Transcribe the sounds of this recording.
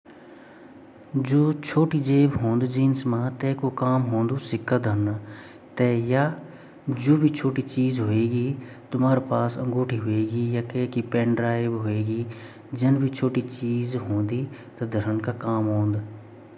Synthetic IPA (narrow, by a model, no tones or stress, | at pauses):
d͡ʒoːt͡ʃʰoːʈid͡ʒeːbɦõːnd̪d͡ʒiːnsmãt̪ɛːkokaːmɦõːnd̪usɪkːəd̪ɦən | t̪ɛjaː | d͡ʒoːbʱit͡ʃʰoːʈit͡ʃiːzɦʊeːɡiːt̪ʊmaːɾepaːsɐ̰̃ŋɡoːʈʰiɦʊeːɡijaːkeːkipɛ̃ːɳɖɾaːɪbɦʊeːɡiː | d͡ʒɐnbʱit͡ʃʰoːʈit͡ʃiːzɦõːnd̪iːt̪ɐd̪ʱəɾənkakaːmɦõːnd̪